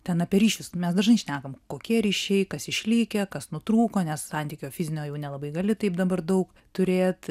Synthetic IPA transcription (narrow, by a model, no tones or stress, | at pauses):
t̪ʲɛnɐpʲeɾʲiːʃʲʊsmʲɛsd̪ɐʒnɐɪʃʲnʲæːkɐmkoːkʲiɛɾʲiːʃʲɛɪkɐsɪʃʲlʲiːkʲɛkɐsnʊt̪ɾuːkoːnʲɛssɐnʲt̪ʲiːkʲoːfʲɪzʲɪnʲoːjɛʊnʲɛlˠɐbɐɪɡɐlʲɪt̪ɐɪpd̪ɐbɐrd̪ɐʊk | t̪ʊɾʲeːt̪